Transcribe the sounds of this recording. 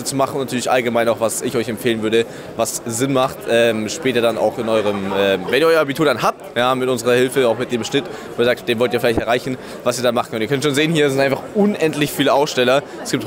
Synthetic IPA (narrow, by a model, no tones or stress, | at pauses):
ət͡sumaχn̩ʊnatʰyːɐlɪçʔa̰lɡəmaɪnaʊxv̥asɪçɔʏçɛmfeːlənvʏɐɾə | vasz̥ɪnmaχtʔɛːmʃpɛːtɐdana̰ʊxɪnʔɔʏʁ̞əmɛːmvɛnʔiɐɔʏɐʔabitʰuːɐdanhaːp̚tjaːmɪtʔʊnzəʁɐhɪlfəaʊxmɪt̚d̥eːmʃnɪt | oiəzaːktd̥eːnvɔltiɐfɪlaɪçtɛɐʁaɪçn̩ | vasiːɐdanmaχn̩kʰœntːiɐkʰœntʃoːnzeːənhiːɐs̬ɪntʔaɪnfaχʔʊnʔɛntlɪçfiːləʔaʊsʃtɛlɐ | sɡ̥iːp̚t